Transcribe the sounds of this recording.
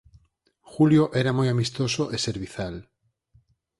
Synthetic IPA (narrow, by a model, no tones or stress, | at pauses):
xuljoʔɛɾamojamist̪osoʔeseɾβiθal